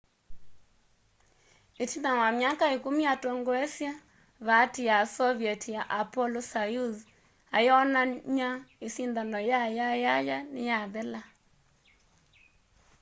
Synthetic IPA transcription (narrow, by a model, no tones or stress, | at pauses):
etinawamjakaekumiatoŋɡoɛsja | βatijasɔβjɛtijaʔapɔlɔsajuz | ajeɔnaɲaesindanɔjajajajanejaðɛla